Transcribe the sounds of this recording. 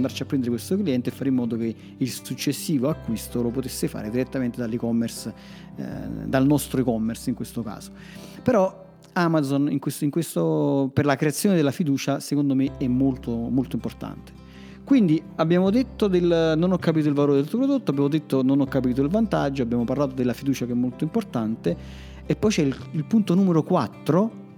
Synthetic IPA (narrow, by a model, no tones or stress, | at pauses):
nd̪aɾt͡ʃiapːɾɛnd̪eɾekwest̪okliɛnt̪efːaɾeimːɔːd̪oke | ilsut͡ʃːesːiːvoakːwist̪olopot̪esːefa̰ːɾed̪iɾet̪ːament̪ed̪alːikɔmːers | d̪alnɔst̪ɾoikɔmːersiŋkwest̪oka̰ːzo̥ | peɾɔ | amad̪zonḭŋkwest̪iŋkwest̪operlakɾeat̪sjoːned̪elːafid̪uːt͡ʃasekond̪omeɛmːolt̪omolt̪oimport̪a̰nt̪e̥ | kwind̪iabːjaːmod̪et̪ːod̪elnonɔkːapiːt̪oilvaloːɾed̪elt̪pɾod̪ot̪ːoabjamod̪et̪ːononɔkːapiːt̪̬oilvant̪ad͡ʒːoabjaːmoparlaːt̪od̪elːafid̪uːt͡ʃakɛmːolt̪oimport̪ant̪e | epːɔjt͡ʃɛilpunt̪onuːmeɾokwat̪ːɾo